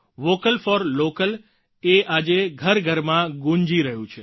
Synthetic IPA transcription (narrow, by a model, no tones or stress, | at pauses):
ʋokəlfɔɾlokəl | eʔad͡ʒeɡʱəɾɡʱəɾmãɡũɲd͡ʒiɾəɦjũt͡ʃʰe